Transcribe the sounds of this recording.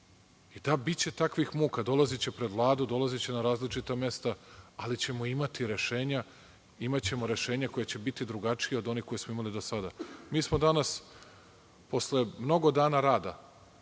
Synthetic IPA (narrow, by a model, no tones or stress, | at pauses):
id̪abit͡ɕe̞t̪akʋixmuːkad̪o̞lˠazit͡ɕepɾe̞d̪ʋlˠaːd̪ud̪o̞lˠazit͡ɕe̞naɾaːzlit͡ʂit̪amje̞st̪aalit͡ɕe̞moimat̪iɾe̞ʃe̞ːɲa | imat͡ɕe̞mo̞ɾe̞ʃe̞ːɲako̞jet͡ɕe̞bit̪id̪ɾuɡat͡ʂijeo̞d̪o̞nixko̞jesmoimalid̪o̞sad̪amiːsmo̞d̪anas | po̞sle̞mno̞ɡo̞d̪aːnaɾaːd̪a̰